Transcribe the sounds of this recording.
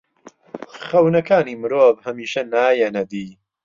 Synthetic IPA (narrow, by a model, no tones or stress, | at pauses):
χɐwnɐkaːniːmɨɾoːvhɐmiːʃɐnaːjɛnɐd̪iː